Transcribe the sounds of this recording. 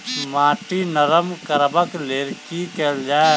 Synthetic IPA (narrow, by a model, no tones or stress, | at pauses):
maːʈinəɾəmkəɾbəkleːɾkikeld͡ʒaːe